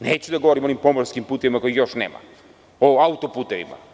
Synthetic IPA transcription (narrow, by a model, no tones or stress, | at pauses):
neːt͡ɕud̪aɡoʋoɾimo̞nimpomoɾskimpuːt̪eʋimako̞jixjo̞ʃnḛːma̰ | oaut̪oput̪eʋḭma̰